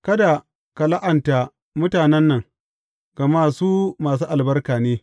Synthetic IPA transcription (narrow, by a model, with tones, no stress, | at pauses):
kɐ˦da˨ | ka˨la˦ʔɐ˨nta˨ | mʊ˦taː˨nɛ˦nːɐ˨ŋ | ɡ̥ɐ˨maː˦suː˦maː˨s̬uː˦ʔa˨lbɐ˦rkaː˨neː˦